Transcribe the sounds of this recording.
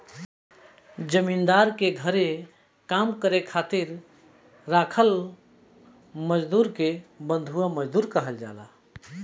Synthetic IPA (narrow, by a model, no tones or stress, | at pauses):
d͡ʒəmind̪aɾkeɡʱəɾe | kamkəɾekʰat̪iɾ | ɾakʰəl | məd͡ʒd̪uɾkebə̃nd̪ʱuaməd͡ʒd̪uɾkəɦəld͡ʒa̰la̰